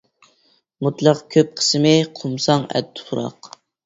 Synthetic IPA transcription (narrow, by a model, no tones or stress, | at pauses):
mut̪lˠɑqkʲʰøp̚qʰə̥smɪqʰumsɑŋɛ̰t̪̚ːʊ̥pʰuɾɑ̰q